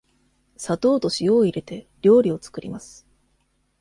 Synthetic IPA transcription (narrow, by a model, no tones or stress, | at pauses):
sat̪o̞ːt̪o̞ɕijo̞ːiɾe̞t̪e̞ɾʲo̞ːɾʲio̞t͡sɨ̥kɯ̟ɾʲimasɨ̥